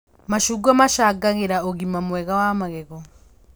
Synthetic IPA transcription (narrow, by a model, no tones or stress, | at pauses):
maʃuɡamaʃaɡaɣeɾaɔɣimamwɛɣawamaɣɛɣɔ